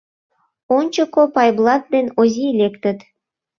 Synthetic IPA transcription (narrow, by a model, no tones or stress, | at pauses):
ont͡ɕŏkopɑjblˠɑt̪̚d̪enozʲielʲekt̪ə̆t̪